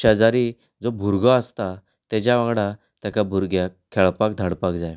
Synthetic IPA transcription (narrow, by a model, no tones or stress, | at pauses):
ad͡zaɾiː | d͡zobʱuɾɡaəst̪a | t̪ɛd͡ʑaʋãŋɡɽa | t̪jakabʱuɾɡjakʰːɛɭpakd̪ʱəɽpakd͡zaj